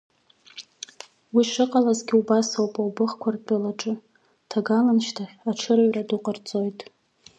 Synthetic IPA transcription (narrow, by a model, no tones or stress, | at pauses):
wiʂɨqʼalazɡʲɪubasowpʼawbɨχkʷʰardʼalaʈ͡ʂʼɨ | tʰaɡalanʃtʰaaʈ͡ʂʰɨrɥraduqʼart͡sʼo̞jtʼ